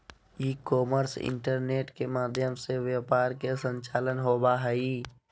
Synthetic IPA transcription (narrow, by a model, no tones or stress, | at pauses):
iːkɔːməɾsɪ̰ɳʈəɾneːʈkemaːd̪ʱjəmseʋjəpaːɾkesə̃ɲt͡ʃaːlənɦoːbaɦɛiː